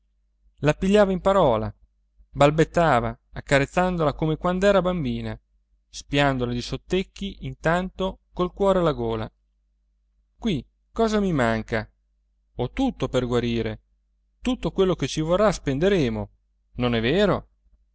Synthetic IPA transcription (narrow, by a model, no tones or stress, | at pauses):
lapiʎːaːvaimpaɾɔːla̰ | balbet̪ːaːvaːkːaɾet̪sːand̪olakomekwand̪ɛːɾabambiːna | spjand̪olad̪isot̪ːekːiʔint̪ant̪okolkwɔːɾealaɡoːla̰ | kwi | kɔːzamimaŋka | ot̪ut̪ːoperɡwaɾiːɾe | t̪ut̪ːokwelːoket͡ʃivorːaspend̪eɾeːmo | nonɛveːɾo